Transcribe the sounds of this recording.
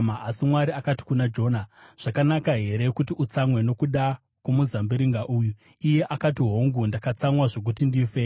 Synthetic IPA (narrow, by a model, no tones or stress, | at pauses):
maʔasimwaɾiakati̥kunad͡ʒo̞ːnaʐ̥akanakaɦe̞ɾe̞kutiʔut͡samwe̞no̞kuɗa | kumuzambiɾiŋɡaʔuːju | ije̞ʔakatiɦo̞ŋɡundakat͡samwaʐo̞k̬utindiːfe